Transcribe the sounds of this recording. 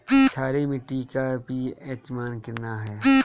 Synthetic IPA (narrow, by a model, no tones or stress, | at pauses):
t͡ʃʰaːɾemɪʈːikabʱiɛːt͡ʃmaːnkɪɾnaɦɛː